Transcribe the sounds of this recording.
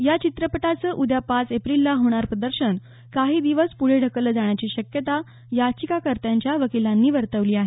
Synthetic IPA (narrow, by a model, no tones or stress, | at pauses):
jat͡ɕit̪ɾəpəʈat͡səːʔud̪ʱjapasepɾilːaɦoɽ̃aɾpɾəd̪əɾɕən | kaɦiːd̪iʋəspuɽ̤eɖʱəkələːd͡zaɳjat͡ɕiːɕəkjət̪a | jat͡ɕikakəɾt̪jaɲt͡ɕjaʋəkilãnːiːʋəɾt̪əʋliːaɦe